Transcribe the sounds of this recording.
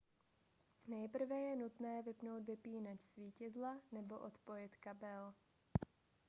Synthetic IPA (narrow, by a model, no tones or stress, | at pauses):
nɛjpr̩vɛjɛnut̪nɛːvɪpnowt̪vɪpiːnat͡ʃsviːcɛzlanɛbo̞ʔot̪pojɪt̪kabɛl